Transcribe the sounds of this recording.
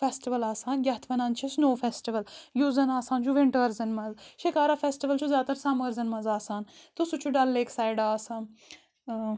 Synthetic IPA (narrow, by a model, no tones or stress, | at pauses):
fʰɛːsʈiʋɐlaːsaːnjɐɦt̪ʰʋɐnaːnt͡ʃʰisnoːfʰɛːsʈiʋɐljuzɐnaːsaːnt͡ʃʰuʋɪɳʈəɾzɐnmɐzʃikaːɾaːfʰɛːsʈiʋəlt͡ʃʰuzaːt̪ɐɾsɐməɾzɐnmɐzaːsaːnt̪usut͡ʃʰuɖɐlːeːksaːjɖaːsaːn